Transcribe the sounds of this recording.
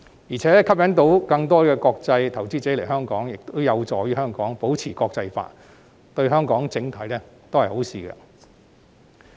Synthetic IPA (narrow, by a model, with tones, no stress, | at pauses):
jiː˨˩t͡sʰɛː˨˥kʰɐ˥p̚jɐ˨˥nt̪o˨˧˥wkɐ˧ŋt̪̬ɔː˥kɛː˧kɔː˧k̚t͡sɐ˧jt̪ʰɐ˨˩wt͡siː˥t͡se˨˥le˨˩jɦœː˥ŋkɔː˨˥ŋjɪ˨k̚t̪o˥wjɐ˨˧wt͡sɔː˨˧jyː˥hœː˥ŋkɔː˨˥ŋpo˨˥wt͡sʰiː˨˩kɔː˧k̚t͡sɐ˧jfa̰ː˧t̚ | t̪ɵ˧ɥɦœː˥ŋkɔː˨˥ŋt͡sɪ˧˥ŋt̪ʰɐ˨˥jlɛː˥t̪o˥whɐ˨˩jho˨˥wsiː˧kɐ̰˧